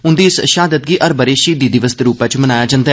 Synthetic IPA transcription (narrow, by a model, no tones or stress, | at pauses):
ʊ̃nd̪iːɪsʃaːd̪ət̪̚ɡiːʔəɾbəɾeːʃiːd̪iːd̪ɪʋəst̪ɾuːpət͡ʃmənaːjaːd͡ʒãnd̪aː